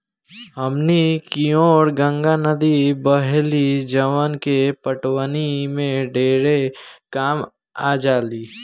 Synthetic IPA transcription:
ɦəmnikioːɾɡə̃ŋɡanəd̪ibəɦlid͡ʒəwənkepəʈwənimẽɖʱeːɾekaːm | ad͡ʒaːliː

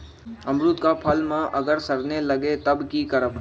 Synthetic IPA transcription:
ɐmɾut̪kapʰɐlmãʔɐɡəɾsɐɾneləɡet̪ɐbkikəɾəb

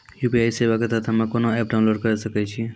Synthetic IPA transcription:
juːpiaːjseːʋaket̪at̪ʰɐmãkonoɛːp̚ɖaʊ̃nloːɖ̚kəɾsəkɛt͡ʃʰi

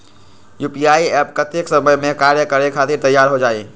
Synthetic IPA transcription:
jupiaiɛpkət̪eksəməjmẽkaɾjəkəɾjekʰat̪iɾt̪əjːaɾɦod͡ʒaːi

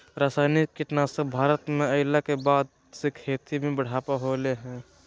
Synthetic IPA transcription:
ɾaːsaːɪnɪkːɪʈnaːsebʱaːɾət̪mẽɐɪlakebaːd̪̚ | sekʰeːt̪imʱẽbəɽ̤aːpaɦoːleɦɛ̃ː

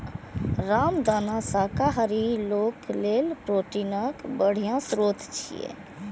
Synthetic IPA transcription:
ɾamd̪anasakaɦəɾiloklelpɾoʈinəkbəɽ̤ijãsɾot̪ʰt͡ʃʰḭjḛ

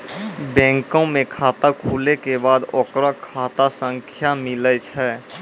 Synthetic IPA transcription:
bɛ̃ːŋkõmẽkʰaːt̪akʰuːlekebaːd̪oːkɾakʰaːt̪asə̃ŋkʰjamɪlət͡ʃʰɛ

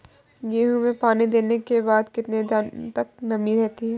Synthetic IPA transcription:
jeːɦũmẽpaːnid̪eːnekebaːd̪kɪt̪ned̪t̪ɐk̚nɐmiɾɛɦt̪iɦɛː

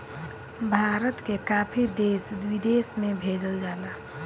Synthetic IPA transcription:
bʱaːɾət̪kekaːpʰid̪eːsd̪wid̪eːsmẽbʱeːd͡ʒəld͡ʒaːlaː

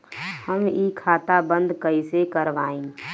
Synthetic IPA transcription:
həmikʰaːt̪abə̃nd̪kəisekəɾʋaːẽː

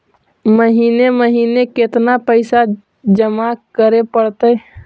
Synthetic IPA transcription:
məɦiːneməɦiːnekɪt̪napəɪsa | d͡ʒəmakəɾepəɽt̪əj

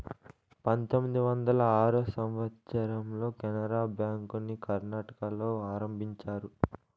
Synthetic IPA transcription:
pɐnt̪omːid̪iʋɐnd̪ɐlɐaːɾusɐmʋɐt̪sɐɾɐmlo̞ːkɛnɐɾaːbjaːŋkunikɐɾnaːʈɐ̥kɐlo̞ːaːɾɐmbʱiɲt͡ʃaːɾu

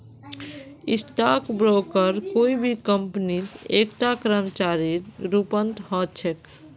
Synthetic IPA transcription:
isʈakbɾokəɾkoibʱikəmpnit̪ek̚ʈakɾəmt͡ʃaɾiɾupənt̪ɦɔt͡ʃʰek

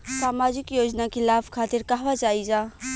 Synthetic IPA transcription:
saːmaːd͡ʒɪkjoːd͡ʒnakilaːbʰkʰaːt̪ɪɾkaɦʋat͡ʃaːid͡ʒaː

